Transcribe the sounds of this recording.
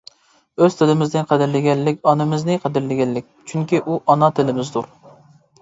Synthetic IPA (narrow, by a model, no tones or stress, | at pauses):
øz̥t̪ʰɪlɪmɪzd̪ɪnqʰəd̪ɪɾlɪɡʲɛlːɪkʲɑnɨmɪznɨqʰəd̪ɪɾlɪɡʲɛlːɪk̚ʲt͡ʃʰyŋkʲiʔuʔɑnɑt̪ʰɪlɪmɪzd̪uɾ